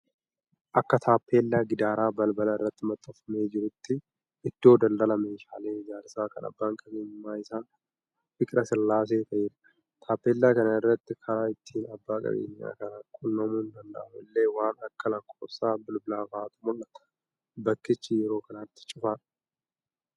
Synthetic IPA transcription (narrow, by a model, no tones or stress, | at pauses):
ʔɐkːɐt̪ʰaːpːe̞ːlːaːɡɪd̪aːɾaːbɐlbɐlɐɪrːɐt̪ːɪmɐt̪ʼːɐfɐmeːd͡ʒɪɾʊt̪ːɪ | ʔɪd̪̥ːo̞ːd̪ɐnd̪ɐlɐme̞ːʃaːle̞ːɪd͡ʒaːɾsaːkɐ̰nɐ̰bːaːŋkʼɐbeːnmaːɪsaːn | fɪkʼɾɐsɪlːaːs̬e̞ːt̪ɐʔeːɾ | t̪ʰaːpːe̞ːlːaːkɐnɐɪrːɐt̪ːɪkʰɐɾaːɪt̪ʰːiːnɐbːaːkʼɐ̰bḛːɲːa̰ːkɐnakʼʊnːɐmuːnd̪ɐnd̪ɐ̰ʔfʊɪlːe̞ːwaːnɐkːɐlɐkʰːoːsaːbɪlbɪlaːfaaːt̪ʊmʊlːɐt̪ɐ̥ | bɐkːɪt͡ʃːɪjɛɾo̞ːkɐnaːt̪ːɪ̥t͡ʃʼɪfaːᶑ